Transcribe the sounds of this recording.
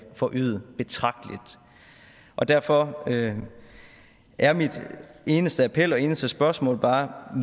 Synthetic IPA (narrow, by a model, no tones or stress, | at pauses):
fɒʔyːð̰ˠəb̥e̝t͡sʰʁɑ̈ɡ̥̚d̥əlid̥ | ʔɒ̽d̥æɐfɒ̽ø | ʔæɐmid̥e̝ːnəsd̥əæpʰel̰ɒ̽e̝ːnəsd̥əsb̥ɶɐsmɔ̰̽ːlb̥ɑ̈ː